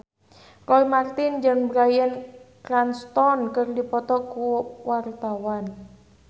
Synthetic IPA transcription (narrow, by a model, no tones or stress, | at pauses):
rɔimart̪ɪnd͡ʒənbɾajənkɾanst̪ɔnkərdipɔt̪ɔkuwart̪awan